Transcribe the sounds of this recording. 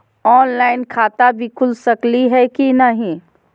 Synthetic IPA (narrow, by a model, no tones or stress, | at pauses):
ɔːnlaːɪnkʰaːt̪abʱikʰʊlsɐkliɦɛkinəɦĩ